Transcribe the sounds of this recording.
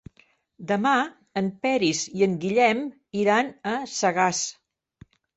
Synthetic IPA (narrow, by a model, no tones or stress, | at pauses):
d̪əma | əmpɛɾiziəŋɡiʎɛm | iɾanəsəɣas